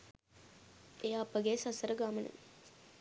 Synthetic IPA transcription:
eːaːpːɐɡeːsɐsɐɾɐɡaːmɐnɨ̰ŋ

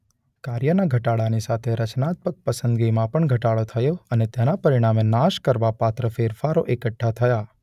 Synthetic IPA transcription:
kaɾjənaɡʱəʈaɭanisat̪ʰeɾət͡ʃnat̪̚pək̚pəsənd̪ɡimãpəɳɡʱəʈaɭot̪ʰəjoənet̪ɛnapəɾiɽ̃amenaʃkəɾʋapat̪ɾəfeɾfaɾoʔekəʈʰːat̪ʰəja

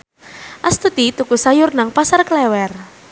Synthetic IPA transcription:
ʔast̪ut̪it̪ukusajʊrnaŋpasarklɛwɛr

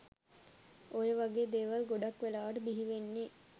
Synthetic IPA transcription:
ojəʋaɡeːd̪eːʋalɡoɖakʋelaːʋəʈəbiɦiʋenːe

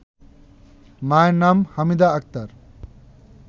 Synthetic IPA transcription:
majnamhɐmid̪aɐk̚t̪ɐɾ

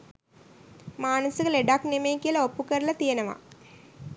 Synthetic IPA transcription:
maːnɐsɐkəleɖaknemejkijəlɐopːukəɾɐlɐt̪ijenɐʋa̰

